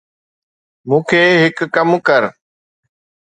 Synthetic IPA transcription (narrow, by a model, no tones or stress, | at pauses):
mũːkʰeːɦɪkːəmkəɾ